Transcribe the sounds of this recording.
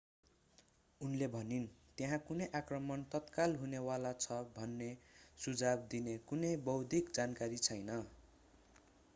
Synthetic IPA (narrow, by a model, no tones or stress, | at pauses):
unlebʱʌnint̪eɦãkunʌjʔakrʌmʌnt̪ʌt̪kalɦunewalat͡sʰʌbʱʌnːesud͡zab̚d̪inekunʌjbʌwd̪ʱikd͡zankaɾit͡sʰʌjnʌ